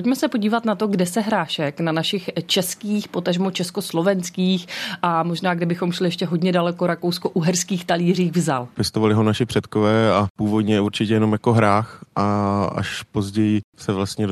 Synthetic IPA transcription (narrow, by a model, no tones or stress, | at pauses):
pocmɛsɛpo̞ɟiːvat̪nat̪o̞ɡdɛsɛɦɾaːʃɛknanaʃɪxt͡ʃɛskiːxpo̞t̪aʒmot͡ʃɛsko̞slo̞vɛnskiːxʔamo̞ʒnaːɡdɪbɪxo̞mʃlɪjɛʃcɛɦo̞ɟɲɛdalɛko̞ɾako̞wsko̞ʔuɦɛɾskiːxt̪aliːr̝iːɣvzalpjɛst̪ovalɪɦonaʃɪpr̝̥ɛt̪kovɛːapuːvo̞d̪ɲɛuɾt͡ʃɪcɛjɛnomjakoɦɾaːxʔaa̰ʃpo̞zɟɛjɪsɛvlast̪ɲɛ